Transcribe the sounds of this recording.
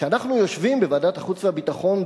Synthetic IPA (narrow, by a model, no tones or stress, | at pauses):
eanaχnujo̞ʃvimbevaːdat̪aχut͡sveabit̪aχo̞n